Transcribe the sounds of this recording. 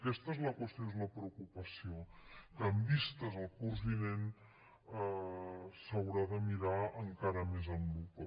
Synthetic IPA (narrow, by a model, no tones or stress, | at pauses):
kɛst̪əezləkwəst̪joezunəpɾəukupəsiokəːmbist̪əzəlˠkurzβinen | səwɾaðəmiɾaəŋkaɾəmezəmbut̪o